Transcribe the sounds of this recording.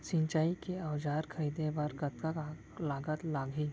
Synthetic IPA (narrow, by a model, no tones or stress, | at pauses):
sɪ̃ɲt͡ʃaːikeɐʋd͡ʒaːɾkʰəid̪ẽbɐɾɡɐt̪kaka | laːɡət̪laːɡʱi